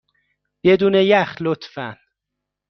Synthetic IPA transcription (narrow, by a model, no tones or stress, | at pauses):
bed̪uːnejæxlot̪fæ̰n